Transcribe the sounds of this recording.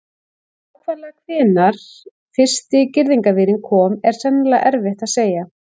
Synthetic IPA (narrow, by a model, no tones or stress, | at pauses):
awkʰvɛɾlaɣakʰvɪːnaɾ̥ | fɪr̥st̪ɪcɪɾðiŋkavɪːɾɪnkʰɔːmɛɾ̥sɛnlaʔɛɾvɪht̪aðseːja